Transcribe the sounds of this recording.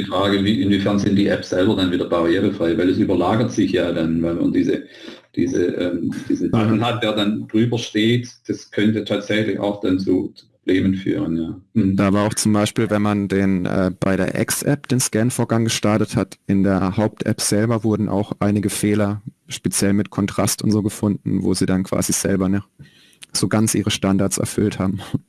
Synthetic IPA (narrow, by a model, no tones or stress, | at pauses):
d̥ifʁ̥aːɡəviːʔɪnviːfɛɐnzɪntd̥iːʔɛpsz̥ɛlbɐdanviːdɐbaʁiɛːʁəfʁ̥aɪvaɪldɐsyːbɐlaːɡɐtz̥ɪçjaːdanvaɪma̰ndiːzə | d̥ḭːzə̰ʔɛ̰ːmdiːzn̩ban̩ɦat̚d̥eːɐdandʁyːbɐʃteːtd̥askʰœntətʰaːtz̥ɛçlɪça̰ʊxd̥ant͡sṵt͡su̥pʁ̥ob̥leːmənfy̰ːʁ̞ənjaːd̥aːvaːaʊxt͡sʊmbaɪʃpiːlvɛnmandeːnʔɛ̰ːb̥a̰ɪɾeːɐʔɛ̰ksʔɛp̚d̥eːnskɛnfoːɐɡaŋɡəʃtaɐtəthatʔɪndeːɐhaʊp̚tʔɛ̰pz̥ɛlbɐvʊɐdn̩ʔa̰ʊxʔaɪnɪɡəfeːlɐʃpet͡sjɛlmɪtkʰɔntʁ̥astʊntz̥oːɡəfʊndn̩vo̰ːziːdankv̥a̰ːziz̥ɛ̰lbɐnɛ | z̥oːɡant͡sʔiːʁ̞əʃtandaɐtsɛ̰ɐfʏlthaːbm̩